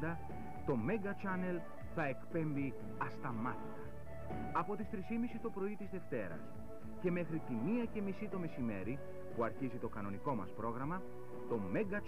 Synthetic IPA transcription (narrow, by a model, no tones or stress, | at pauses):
d̪ɐ | t̪o̞me̞ɡɐt͡ʃɐne̞l | θɐe̞kpe̞mbi | ɐst̪ɐmɐt̪it̪ɐ | ɐpo̞t̪ist̪ɾisimisist̪opɾo̞it̪izðe̞ft̪e̞ɾɐ̰s | ce̞me̞xɾit̪imiɐce̞misit̪o̞me̞sime̞̰ɾi | puɐɾçizit̪o̞kɐno̞niko̞mɐ̰spɾo̞ɣɾɐmɐ | t̪o̞me̞ɡɐ